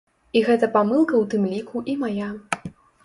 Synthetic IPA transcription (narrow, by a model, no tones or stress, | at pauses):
iɣɛt̪ɐpamɨlˠkɐwt̪ɨmlʲikʰuʔimaja